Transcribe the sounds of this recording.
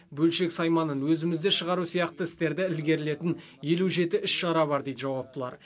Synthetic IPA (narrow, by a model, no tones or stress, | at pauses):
bɵlʃe̞ksɑjmɑnənwɵzɪmɪzd̪e̞ʃəʁɑɾusijɑqt̪əɪst̪e̞ɾd̪ɪɪlɡʲe̞ɾɪle̞t̪ɪn | je̞luʒe̞t̪ɪʏʃʃɑɾɑbɑɾd̪ejd̪əʒɑwɑp̚t̪əlˠɑ̰ɾ